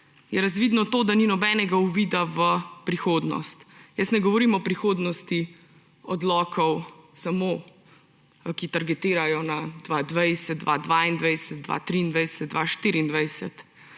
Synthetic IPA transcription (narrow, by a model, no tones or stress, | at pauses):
jɛɾazʋiːd̪nɔt̪oːd̪aninɔbɛːnɛɡauʋid̪aʋəpɾixoːd̪nɔ̰st̪jəst̪nɛɡɔʋɔɾiːmɔpɾixoːd̪nɔst̪i | ɔd̪lɔːkʰɔwsamo | kit̪aɾɡɛt̪iːɾajɔnad̪̥ʋad̪ʋɛjsɛt̪̚ːʋa̰d̪ʋaːind̪ʋɛjsɛt̪̚d̪ʋa̰t̪ɾiːnd̪ʋɛjsɛd̪̚ʋaʃt̪iɾiːnd̪ʋɛjsɛt̪